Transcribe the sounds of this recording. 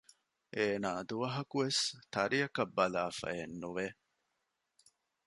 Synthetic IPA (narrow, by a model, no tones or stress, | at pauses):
ʔeːnaːd̪uʋɐɦɐkuʋest̪ɐɾijɐkɐbːɐlaːfɐ̰enːuʋe